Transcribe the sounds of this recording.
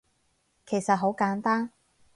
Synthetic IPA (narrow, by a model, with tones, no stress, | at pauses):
kʰe˨˩jsɐ˨t̚ɦo˨˥wkaː˨˥nt̪aː˥n